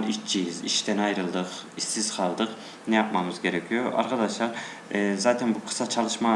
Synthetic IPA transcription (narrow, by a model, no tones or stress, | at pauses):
it͡ʃʰːijiziʃt̪ʰɛnɑjɾɨlˠd̪ɨq | isːiz̥qʰɑlˠd̪ɨq | nɛjɑt̪̚mɑmɨzɡʲeɾɛkʰʲijoʔɑ̰ɾʁɑd̪ɑʃlˠɑɾ | zɑːt̪ʰɛnbuqʰɨ̥sɑt͡ʃʰɑlˠɨʃmɑ